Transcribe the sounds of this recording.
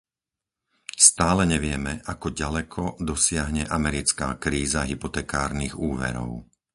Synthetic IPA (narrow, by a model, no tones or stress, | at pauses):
st̪aːlɛɲɛʋɪɛmɛʔakɔɟalɛkʰɔd̪ɔsɪaɦɲɛʔamɛɾit͡skaːkɾiːzaɦipɔt̪ɛːkaːɾniɣuːʋɛ̰ɾɔ̰ʊ